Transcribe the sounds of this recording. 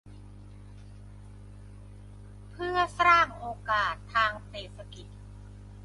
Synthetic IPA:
pʰɯ˥˩ɐsaː˥˩ŋʔoː˧kaː˨˩t̪ʰːaː˧ŋseː˨˩t̪̚sa˧ki˨˩t̪̚

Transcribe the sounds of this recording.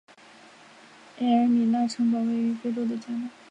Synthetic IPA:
ɛ˥ə˨˧˥mi˨˩na˥˩ʈ͡ʂʰɤ˥ŋpɑ˨˩ʊwe˥˩ɪy˧˥fe˥˧ʈ͡ʂo˥ʊd̪ə˨t͡ɕja˥na˥˩˦

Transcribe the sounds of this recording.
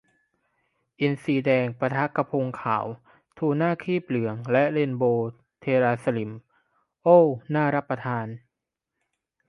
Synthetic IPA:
ʔi˧nsiː˧dɛː˧ŋpɾa˧t̪ʰa˦˥kːa˧pʰo˧ŋkʰa̰ː˩˦w | t̪ʰuː˧˩naː˥˩kʰiː˥˩p̚lɯ˩˦əŋlɛ˦˥ʔle˧nboː˧ | t̪ʰeː˧ɾaː˧sa˧li˨˩˦m | ʔoː˥˩naː˥˩ɾa˦˥pːɾa˧t̪ʰaː˧n

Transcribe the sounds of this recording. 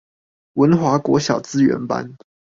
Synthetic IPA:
wə˧˥nxwa˧˥kwɔ̰˧˥ɕjɑ˨˩ʊt͡sɹ̩˥ɥɛ̰˧˥npa̰˦n

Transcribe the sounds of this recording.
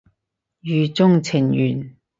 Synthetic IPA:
jyː˨˧t͡sʊ˥ŋt͡sʰɪ˨˩ŋjyː˨˩n

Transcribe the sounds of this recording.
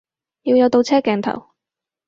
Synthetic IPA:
jiː˧wjɐ˧wt̪o˧wt͡sʰɛː˥kɛː˨˧nt̪ʰɐ̰˨˩w

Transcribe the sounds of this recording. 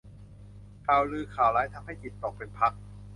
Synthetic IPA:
kʰaː˨˩˦wlɯː˧kʰaː˨˩wlaː˦˥jt̪ʰa˧mɦa˥˩jt͡ɕi˨˩t̪ːɔː˨˩k̚pe˧npʰa˦˥k̚

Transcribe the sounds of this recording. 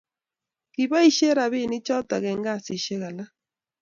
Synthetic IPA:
ki˨βa˦i˦ʃe˦ɾa˨βɪ˦˨ni˦t͡ʃɔ˦ta˨ɣɛ˨ŋɡa˦˨si˨ʃe˦ɣa˨la˦

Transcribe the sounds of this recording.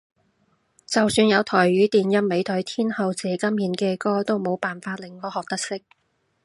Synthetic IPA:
t͡sɐ˨wsyː˧njɐ˨˧wt̪ʰɔː˨˩jɥyː˨˥t̪iː˨njɐ˥mme˨˧jt̪ʰɵ˨˥jt̪ʰiː˥nhɐ˨˧wt͡sɛː˨˧kɐ˥mjiː˨˥nkɛː˧kɔː˥t̪o˥wmo˨˧wpaː˨nfaː˧t̚lɪ˨˩ŋːɔː˨˥hɔː˨k̚t̪ɐ˥k̚sɪ˥k̚

